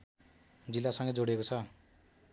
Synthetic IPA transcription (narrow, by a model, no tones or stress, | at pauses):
d͡zilːasʌŋɡʌd͡zoɽekot͡sʰʌ